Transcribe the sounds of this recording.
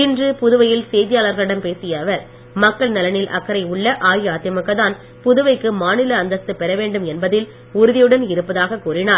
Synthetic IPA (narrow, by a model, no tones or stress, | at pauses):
ɪndrɯpʊðʊʋɐjɪlsɛjðɪjaːlɐɾɣɐɭɪɽɐmpeːsɪjɐːʋɐɾ | mɐkːɐɭnɐlɐnɪlʔɐ̰kːɐɾɐɪʊɭːɐʔaːjaːt̪jɐmɐkːɐðaːn | pʊðɯʋɐɪkːɯmaːnɪlɐːnd̪ɐst̪ːɯpɛɾɐʋeːɳɖɯmɛnbɐðɪl | ʊɾʊðɪjɯɽɐnɪɾɯpːɐðaːɣɐkuːɾɪnaːɾ